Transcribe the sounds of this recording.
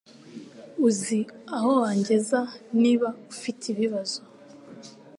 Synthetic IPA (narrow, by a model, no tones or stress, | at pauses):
uziahowaːɲɟe̞zaniβaufitʰiβiβazo